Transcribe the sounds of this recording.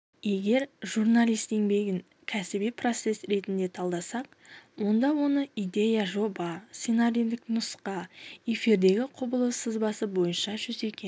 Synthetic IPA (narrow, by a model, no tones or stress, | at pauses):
je̞ɡʲe̞ɾʒurnalʲˠijst̪e̞ŋbe̞ɡʲɪŋ | kʲʰæsɪbijpʰro̞t̪se̞sɾe̞t̪ɪnd̪e̞t̪ʰɑlˠd̪ɑsɑq̚ | wo̞nd̪ɑwo̞nəijd̪e̞jaʒo̞bɑt̪sinaɾind̪ɪknʊsqɑe̞fiɾd̪e̞ɡʲɪqʰʊbəlˠəsəzbɑsəbo̞jənʃɑʒʏze̞kʲen